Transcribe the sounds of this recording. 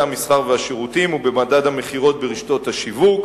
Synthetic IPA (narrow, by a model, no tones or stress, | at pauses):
amisχaʁveaʃeʁutimubemadad̪hameχiʁo̞t̪̚beʁiʃt̪o̞t̪haʃivuk